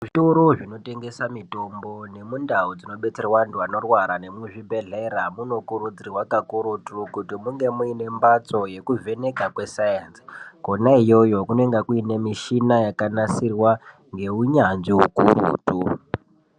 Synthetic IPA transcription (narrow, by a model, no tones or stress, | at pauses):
ʐito̞ɾo̞ʐino̞te̞ŋɡe̞samito̞mbo̞ne̞mundaud͡zino̞ɓe̞t͡se̞rwantuano̞rwaɾane̞mweʐibʱe̞ɮe̞ɾamuno̞kuɾud͡zirwakakuɾutukutimuŋɡe̞muine̞mbat͡so̞je̞kuvʱe̞ne̞kakwe̞sajansi̥konaijo̞jo̞kunoe̞ŋɡakuine̞miʃinajakanasirwa | ŋɡe̞uɲanʐiukuɾṵːtu